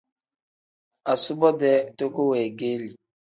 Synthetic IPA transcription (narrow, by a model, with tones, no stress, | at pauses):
a˨su˦bɔ˦dɛ˦to˦ko˦we˨ɡe˦li˨